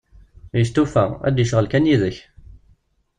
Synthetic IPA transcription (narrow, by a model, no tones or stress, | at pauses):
jəst̪ːufææ̰d̪jəʃʁəlkænjiðəç